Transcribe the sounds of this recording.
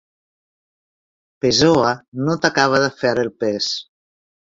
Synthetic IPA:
pezoanot̪akaβ̞aðəfɛɾelˠpes

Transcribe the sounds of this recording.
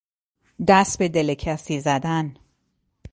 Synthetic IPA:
d̪æst̪̚bed̪elecʰæsiːzæd̪æn

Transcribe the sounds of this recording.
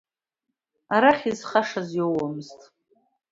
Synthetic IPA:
aɾaχʲizχaʂazjowamɨztʼ

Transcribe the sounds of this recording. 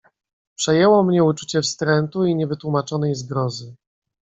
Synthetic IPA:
pʂɛjɛwɔmɲɛut͡ʂu̥t͡ɕɛfst̪ɾɛnt̪uiɲɛvɘt̪wumat͡ʂɔnɛjzɡɾɔzɘ

